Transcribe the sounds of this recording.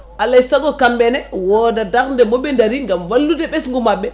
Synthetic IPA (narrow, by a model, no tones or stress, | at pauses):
ʔalaisaɡɔkambɛnɛwɔdadakndɛmɔɓɛndaɾiŋɡamwalːudɛɓɛsŋɡumabːɛ